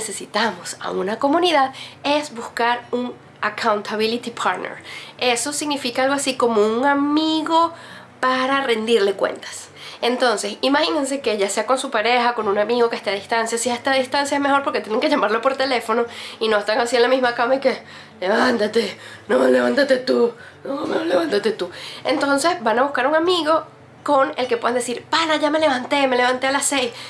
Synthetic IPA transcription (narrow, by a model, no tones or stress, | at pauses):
ese̞sit̪amo̞sa̰unako̞muniðaðe̞zbuskaɾuŋ | akʰawnt̪ʰaβilit̪ipʰaɾt̪nḛɾe̞so̞siɣnifikaalɣo̞asiko̞mo̞uŋamiɣo̞ | paɾare̞nd̪iɾle̞kwe̞̰nt̪ḁs | e̞nt̪o̞nse̞simaxinens̬e̞ke̞ʝase̞ako̞nsupaɾe̞xako̞nunamiɣo̞ke̞st̪eaðist̪ansjasiehest̪aðist̪ansjaezme̞xo̞ɾpo̞ɾket̪jeneŋkeʝamaɾlo̞po̞ɾt̪e̞le̞fo̞no̞inoest̪aŋasienlamizmakamaike | leβant̪at̪enole̞βant̪at̪e̞t̪u | nomeoleβant̪at̪e̞t̪ue̞̰nt̪o̞nse̞sbanaβuhkaɾuŋamiɣo̞ | ko̞ne̞lkepweand̪esiɾpalaʝame̞le̞βant̪e̞me̞le̞βant̪e̞alasejs